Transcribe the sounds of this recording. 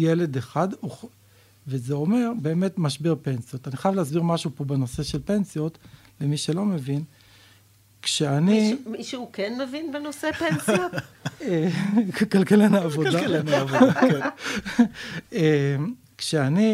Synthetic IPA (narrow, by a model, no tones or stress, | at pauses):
jele̞d̪eχad̪uχ | vezeo̞me̞ʁbe̞ːme̞tmaʃbiʁpe̞nsijo̞t̪aniχajavleasbiʁmaʃupo̞beno̞se̞ʃelpensijo̞t | le̞miʃelo̞me̞vin | kʃeaniiʃuukenmevinbenosepensijotekalkelenaːvodanv | em | kʃeani